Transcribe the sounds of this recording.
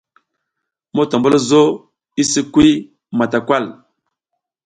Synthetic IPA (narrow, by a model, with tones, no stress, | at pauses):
mo˦to˨mbə˦lə˦zo˦ | i˦si˦kwi˦ | ma˨ta˨kwa˦˨l